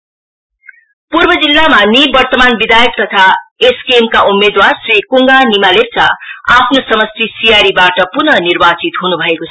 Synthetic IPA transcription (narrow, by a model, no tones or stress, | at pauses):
purbʌd͡zilːamanibʌrt̪ʌmanbid̪ajʌk̚t̪ʌt̪ʰaeskemkaʔumːed̪warsrikuŋɡanimalep̚t͡saapʰnosʌmʌst̪isijaɾibaʈʌpunʌnirbat͡sit̪ɦunubʱʌekot͡sʰʌ